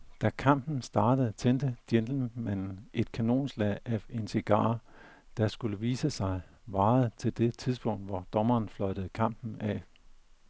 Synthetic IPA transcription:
d̥ækʰɑ̈m̰b̥n̩sd̥ɑ̈ːd̥əð̞̩ˠt͡sʰend̥əd̥jend̥l̩mæn̰n̩ʔe̝d̥kʰæno̝̰ːnslɛðæʋe̝nsiɡ̥ɑ̰̈ː | d̥ɑ̈sɡ̥uləʋiːsəsɑ̈ɪ | ʋɑ̈ːð̩ˠt͡sʰe̝ld̥e̝t͡sʰið̞ˠsb̥ɔ̽ŋ̰d̥ʋɒd̥ɒ̽mɐːn̩flɒɪɾ̥əð̩ˠkʰɑ̈m̰b̥n̩æ

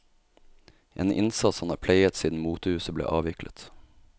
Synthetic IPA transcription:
ʔeːnʔɪ̰nsɑt̪shɑnɑ̰ːpʰleɪət̪siːd̪n̩muːt̪ʊhʉːsəblḛːʔɑːʋɪklʔə̰t̪

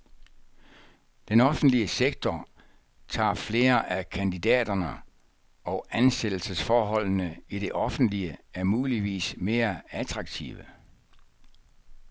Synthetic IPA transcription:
d̥enɒ̽fn̩d̥liəseɡ̥̚t͡sʰɒ | t͡sʰɑ̰̈ːfle̝ːɐʔækʰænd̥idɛ̰ːd̥ɐnə | ɒ̽ænsed̥l̩səsfɒːɦɒ̽l̰nəiɾ̥e̝ʔɒ̽fn̩d̥liəæɐmuːliʋḭːsme̝ːɐæt͡sʰʁɑ̈ɡ̥t͡sʰḭʋə

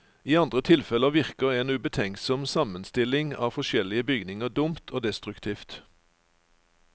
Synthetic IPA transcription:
iːɑnd̪ʁət̪ʰɪlfɛləʋɪʁkəʁeːnʉbət̪ʰɛŋsɔmsɑmənst̪ɪlɪŋɑ̰ːfɔʃɛlɪəbʏɡnɪŋəʁd̪ʊmt̪ʰoːd̪ɛst̪ʁʉkt̪ʰiːft̪

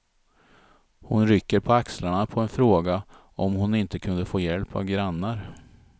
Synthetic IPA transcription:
hʊnɾʏkːəɾpʰɔakslaɳapʰɔɛnfɾoːɡa | ɔmhʊnɪnt̪əkʰɵnd̪əfoːjɛlpa̰vɡɾanːaɾ

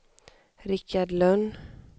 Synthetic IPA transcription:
ɾɪkːaɖlœnː

